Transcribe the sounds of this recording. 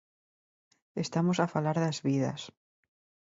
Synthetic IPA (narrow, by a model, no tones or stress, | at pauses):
est̪amosafalaɾðazβiðɐ̰s